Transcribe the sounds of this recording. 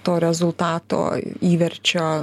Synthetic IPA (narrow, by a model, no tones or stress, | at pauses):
t̪oːɾʲɛzʊlˠt̪ɑːt̪o̰ːiːʋʲɛɾʲt͡ʃʲoː